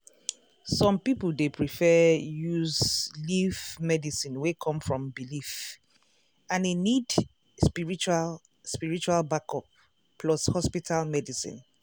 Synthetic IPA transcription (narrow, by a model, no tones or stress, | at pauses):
sɔ̃mpiplˠdepʰɹifɛjuzlivmɛdisĩnwekʰɔ̃mfɹɔ̃mbilif | ãnenid | spiɹit͡ʃa | spiɹit͡ʃualbakɔp̚ | pːlɔshɔspitʰalmɛdisḭ̃n